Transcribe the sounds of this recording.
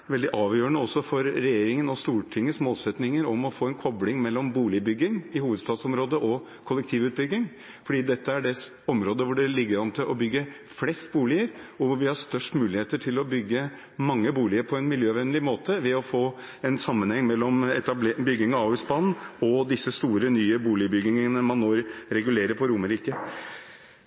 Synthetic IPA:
ʋɛld̪ɪʔɑːʋjøːɳəɔsɔfɔɾːɛjeːɾɪŋənɔst̪uːʈʰɪŋːəsmoːlsɛt̪nɪŋəɾɔmɔfoːɛnkʰɔblɪŋmɛlːɔmbuːlɪəbʏɡːɪŋɪhuːʋəd̪st̪ɑːd̪sɔmɾoːd̪əʔɔ | kʰɔlɛk̚t̪ʰiːʋʉːt̪̚bʏɡːɪŋ | fɔɖiːd̪ɛt̪ːəæɖɛs | ɔmɾoːd̪əʋʊɖɛlɪɡəɾɑnət̪ʰɪʔɔbʏɡːə | flɛst̪̚buːlɪəɾɔʋʊɾʋɪhɑst̪œʂʈmʉːlɪheːt̪əʈʰɪlɔbʏɡːə | mɑŋːəbuːlɪəɾpʰɔɛnmɪljøːʋɛnlɪmoːt̪əʋɛɔfoː | ɛnsɑmːənhɛŋːmɛlːɔmɛt̪ɑblbʏɡːɪŋəɑʉspɑnɔd̪ɪsːəst̪uːɾənyːəbuːlɪəbʏɡɪŋənəmɑnːoːɾɾɛɡʉleːɾəɾpʰɔɾʊməɾiːkə

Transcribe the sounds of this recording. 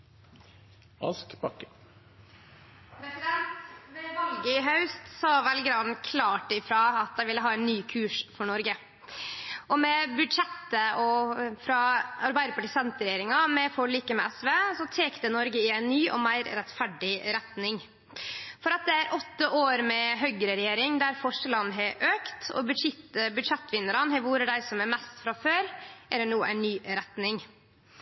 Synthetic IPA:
ʔɑ̰lskbɑkːə | ɾɛsɪd̪ɛnt̪ʋɛʋɑlɡəɦɑʉst̪sɑːʋɛlɡɾɑd̪nkʰlɑːʈɪfɾɑːɑt̪̚d̪æɪʋɪlːəɦɑːæɪnːyːkʰʉːʂfɔɳɔɾɡə | ʔɔmɛbʉd̪ʂɛt̪ːəʔɔfɾɑɑɾbæɪd̪əpɑʈəsɛnt̪əɾɛjeːɾɪŋɑmɛfɔliːkəmɛʔɛsʋeːsɔt̪ʰeːkt̪ənɔɾɡəɪɛjæɪnnyːʔɔ̰mæɪɾɾɛt̪fæɖɪɾɛt̪nɪŋ | fɔɾɑt̪̚d̪ɛæɾʔɔt̪ːəʔoːɾmɛɦœɡəɾəɾɛjeːɾɪŋd̪æɾfɔʂʈəlɑnːɦɛʔøːkt̪ɔ̰bʉd̪ʂɪt̪əbʉd̪ʂɛt̪ːʋɪnəɾɑnɦɛʋuːɾəɖæɪɾsɔmæɾmɛst̪fɾɑføːɾʔæd̪ɛnuːʔæ̰ɪnːyːɾɛt̪nɪŋ

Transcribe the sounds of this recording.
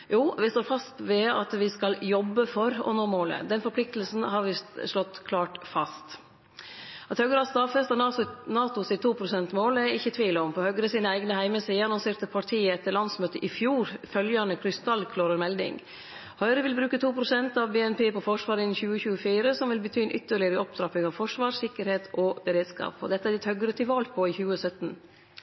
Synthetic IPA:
juːʋɪst̪oːɾfɑst̪ʋɛɑ̰t̪ʋɪskɑljɔbːəfɔɾɔ̰noːmoːlə̰d̪ɛnfɔɾpʰlɪk̚t̪əlsn̩ɦɑɾʋɪʂlɔt̪ːkʰlɑːʈfɑst̪ | ʔɑt̪hœɡəɾɑst̪ɑfɛst̪ɑnɑnɑːt̪ʊsɪt̪ːuːpʰɾʊsɛnt̪moːlæɪçːət̪ʰʋiːləɔmpʰɔhœɡɾəsiːnəæɪɡnəhæɪməsiːənɔsɪɾt̪əpʰɑʈʰiːəɛt̪ːəɾɭɑnsmøːt̪əʔɪfjuːɾfœljɑnəkʰɾɪst̪ɑlːkʰloːɾəɾmɛld̪ɪ̰ŋ | hœʏɾəʋɪlbɾʉːkət̪ʰuːpʰɾʊsɛnt̪ɑʋbeːɛnpʰeːpɔfɔʂʋɑːɾɪnçʉːəçʉːəfiːɾəsɔmʋɪlbət̪ʰyːnʔʏt̪ːəɭɪəɾəʔɔp̚t̪ʰɾɑpːɪŋɑʋfɔʂʋɑːʂɪkːəɾheːt̪ʔɔbəɾeːd̪skɑ̰ːpɔ̰d̪ɛt̪ːəæɖɪt̪hœɡɾət̪ʰɪʋɑːlpʰɔɪçʉːəsœt̪n

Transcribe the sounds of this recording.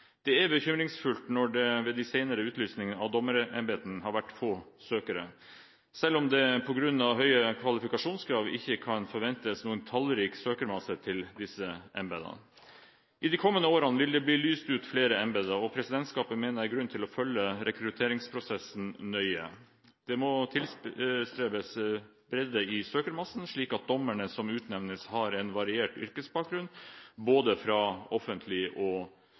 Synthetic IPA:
d̪̥ɛæɾbəçʏmɾɪŋsfʉlt̪nɔɖɛʋɛd̪æsɛɪnəɾəʉːt̪lyːsnɪŋənɑʋd̪ɔməɾʔɛmbeːt̪ənɦɑɾʋæʈːfoːsøːkəɾə̰ | sɛlːɔmd̪ɛpʰɔɡɾʉnːɑʋɦœʏəkʰʋɑlɪfɪkɑʂuːnskʰɾɑːʋɪ̰çːəkʰɑnfɔɾʋɛnt̪əsnuːənt̪ʰɑlɾiːksøːkəɾmɑsət̪ʰɪld̪ɪsəʔɛ̰mbɛd̪ə̰ | ʔɪd̪ikʰɔmːənəoːɾɑnʋɪld̪ɛbliːlyːst̪ʉːt̪fleːɾəɛmbɛd̪əɔpʰɾɛsɪd̪ɛnt̪skɑːpənmeːnəɾæɾɡɾʉnːt̪ʰɪlɔfœlːəɾɛkɾʉt̪ʰeːɾɪŋspʰɾʊsɛsn̩nœʏə̰ | d̪̥ɛmɔt̪ʰɪlst̪ɾeːbəs | b̥ɾɛd̪əɪsøːkəɾmɑsn̩ʂɭiːkɑt̪̚d̪ɔmːæɳəsɔmʉːt̪nɛʋnəshɑɾɛnʋɑɾɪeːʈʏ̰ɾkəsbɑːk̚ɡɾʉnboːd̪əfɾɑːɔfənt̪ʰlɪʔɔ

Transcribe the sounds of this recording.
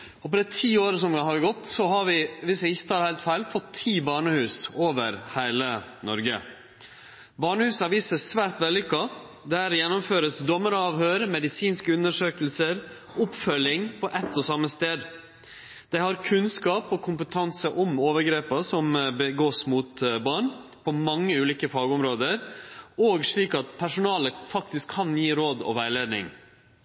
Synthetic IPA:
ɔpɔd̪ɛt̪ʰiːoːɾəsɔmhɑʋɡɔt̪ːsɔɦɑɾʋɪʋɪsjæɪçːət̪ʰɑːɾhæɪlt̪fæɪlfɔt̪ʰːiːbɑːɳəhʉːsoːʋəɾhæɪlənɔɾɡə̰ | bɑːɳəhʉːsɑʋiːsəsʋæːɾt̪ʋɛlːɪkːɑ | d̪æɾjɛnːʊmføːɾəsd̪ɔmːəɾɑːʋhøːɾmɛd̪ɪsiːnskəʉnəʂøːkəl̩səɾ | ʊpfœlɪŋpʰɔʔɛt̪ːɔsɑmːəst̪eːd̪ | d̪̥æɪhɑɾkʰʉnskɑːpɔkʰʊmpət̪ʰɑnsəʔɔmoːʋəɾɡɾeːpɑsɔmbəɡoːsmut̪bɑːɳ | pʰɔmɑŋːəʉːliːkəfɑːɡɔmɾoːd̪əɾoːɡʂɭiːkɑt̪̚pʰæʂʊnɑːləfɑk̚t̪ɪskʰːɑnjiːɾoːd̪ɔ̰ʋæɪleːd̪nɪ̰ŋ

